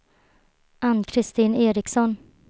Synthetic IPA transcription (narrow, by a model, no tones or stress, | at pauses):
ʔanːkʰɾɪst̪iːneːɾɪksɔn